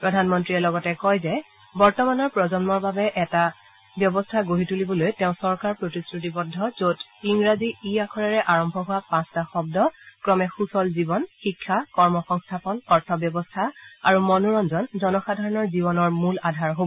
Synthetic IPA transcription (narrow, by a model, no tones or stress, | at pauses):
pɹɔdʱanmɔntɹiɛlɔɡɔtɛkɔjzɛ | bɔɹtɔmanɔɹpɹɔzɔnmɔɹbabɛʔɛta | bjɔbɔstʰaɡoɦitulibɔlojtɛʊ̃sɔɹkaɹpɹotisɹut̬ibɔdʱːɔzotiŋɹaziːakʰɔɹaɹɛʔaɹɔmbʱɔɦʊwapãstaxɔb̚dɔkɹɔmɛxusɔlzibɔnxikʰːakɔɹmɔxɔŋstʰapɔnɔɹtʰɔbjɔbɔstʰaaɹumɔnuɹɔnzɔnzɔnɔxadʱaɹɔnɔɹzibɔnɔɹmuladʱaɹɦobɔ